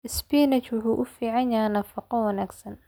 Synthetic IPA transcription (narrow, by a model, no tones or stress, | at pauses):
ʔɪsbiːnɐt͡ʃwʊħuːʔʊfiːʕɑnjaːnɐfɑqɔwɐnaːɡsɐn